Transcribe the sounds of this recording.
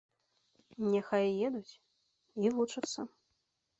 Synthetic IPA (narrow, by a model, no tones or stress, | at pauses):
nʲɛxajjɛd̪ut͡sʲ | ilˠut͡ʂɨt̪sːɐ